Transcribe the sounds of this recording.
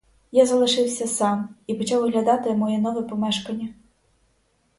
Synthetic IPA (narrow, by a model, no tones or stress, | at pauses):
jazɐlˠɐʂɨwsʲɐsamipɐt͡ʃawɣlʲad̪at̪ɨɐmɔjɛnɔvɨpɔmɛʂkɐnʲɐ